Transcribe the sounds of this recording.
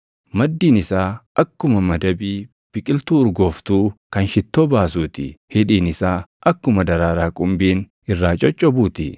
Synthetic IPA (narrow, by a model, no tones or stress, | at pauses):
mɐd̪ːiːnɪsaːʔɐkːʊmɐmɐd̪ɐbiː | b̥ɪkʼɪlt̪uːʊɾɡo̞ːft̪uːkɐnʃɪt̪ːoːbaːsuːt̪ɪ̰hɪᶑiːnɪsaːʔɐkːʊmɐd̪ɐɾaːɾaːkʼʊmbiːn | ɪrːaːt͡ʃʼɔt͡ʃʼːɔbuːt̪ɪ